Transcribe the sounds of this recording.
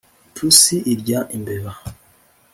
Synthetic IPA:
tʰusiʔiɾɟaʔimbeβa

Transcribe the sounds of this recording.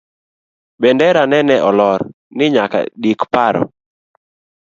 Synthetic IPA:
bendɛɾanɛnɛʔɔlɔɾ | nɪɲaka̰dikpaɾɔ̰

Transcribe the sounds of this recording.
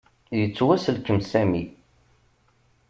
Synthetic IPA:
jət͡sːwæsəlkəmsæmi

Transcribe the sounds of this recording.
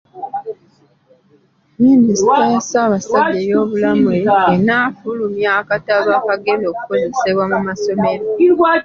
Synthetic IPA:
miːnistajasaːβasaɟːejo̞ːβulamueːnaːfulumjakataβaːkaɡe̞ndo̞ːku̥ko̞ze̞se̞βwamumaso̞me̞ɾa

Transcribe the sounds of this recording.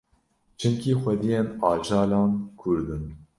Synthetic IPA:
t͡ʃʰɨmkʰixʷɛd̪ijenɑːd͡ʒɑːlɑːnkʰuɾd̪ɨn

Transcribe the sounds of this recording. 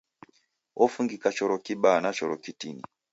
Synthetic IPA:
ʔɔfuŋɡikat͡ʃɔɾɔkiɓanat͡ʃɔɾɔkitinḭ

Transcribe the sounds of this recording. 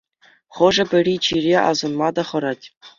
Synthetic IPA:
χɤ̆ʐɤ̆bʲɘ̆rʲit͡ɕirʲeʔɑ̰zŏnmɑd̪ɑχɤ̆ɾɑtʲ

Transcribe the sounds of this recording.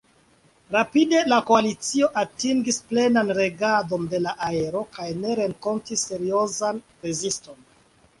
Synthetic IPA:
ɾapide̞lakoalit͡sio̞ʔatiŋɡisple̞nanɾe̞ɡado̞nde̞laʔae̞ɾo̞kajne̞ɾe̞ŋko̞ntisːe̞ɾio̞zan | ɾezisto̞n

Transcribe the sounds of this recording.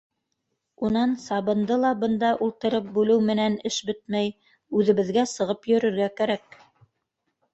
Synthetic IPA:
unɑnsɑβɤ̆nd̪ɤlˠɑbɤ̆nd̪ɑʔulˠt̪ɤ̆ɾɤp̚bʉlɘwmɘ̆nænɘʃbɘt̪̚mæj | ʉðɘ̆βɘ̆ðɡæsɤ̆ʁɤpjɵ̆ɾɵ̆ɾɡækæɾæk̚

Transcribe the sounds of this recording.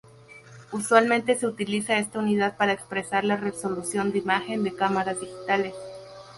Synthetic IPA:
uswalmẽ̞nt̪e̞se̞ut̪ilisae̞st̪auniðaðpaɾaekspɾe̞saɾlareso̞lusjo̞nd̪eimaxe̞nd̪e̞kamaɾazd̪ixi̥t̪ales

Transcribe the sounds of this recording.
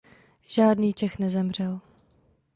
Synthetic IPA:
ʒ̥aːdniːt͡ʃɛxnɛzɛmr̝ɛl

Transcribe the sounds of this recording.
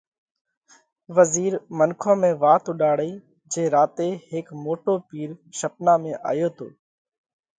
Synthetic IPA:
ʋəziːɾmənkʰõːmẽːʋaːt̪ʊɗaːɽeː | d͡ʒeːɾaːt̪eːhɪkmoːʈoːpiːɾʃəpnaːmẽːʔa̰ːjoːt̪ʰo̰ː

